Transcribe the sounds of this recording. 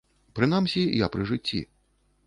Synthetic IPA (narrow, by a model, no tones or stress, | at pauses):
pɾɨnamsʲija̰pɾɨʐɨt͡sʲːḭ